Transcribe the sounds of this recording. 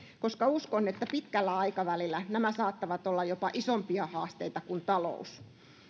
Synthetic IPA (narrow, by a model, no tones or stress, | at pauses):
koskɑuskonːet̪ːæpit̪kælːæɑikɑʋælilːˑænæmæsɑːt̪ːɑʋɑt̪olːɑjopɑʔisompiɑhɑːst̪eit̪ɑkunt̪ɑlo̰us